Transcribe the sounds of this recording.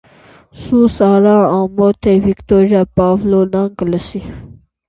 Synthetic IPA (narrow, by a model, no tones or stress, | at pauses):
susaːɾãːãːmoːt̪ʰevikt̪oːɾjaːpaːvloːnaŋkələsi